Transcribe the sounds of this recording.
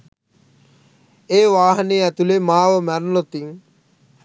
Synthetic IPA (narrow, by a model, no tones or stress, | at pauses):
eːʋaːɦɐneːæt̪ulemaːʋəmæɾnot̪iŋ